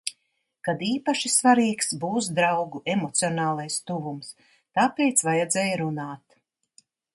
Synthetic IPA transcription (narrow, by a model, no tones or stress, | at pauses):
kad̪iːpaʃisvaɾiːksbuːsd̪ɾawɡuɛmɔt̪siɔnaːlˠajst̪uvums | t̪aːpejt̪svajɛd̪zɛːjɾunaːt̪